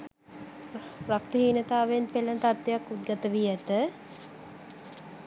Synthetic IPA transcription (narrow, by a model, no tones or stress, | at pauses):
rak̚t̪əɦiːnət̪aːʋeenpelənt̪at̪ʋejakːut̪̚ɡat̪əʋijət̪ə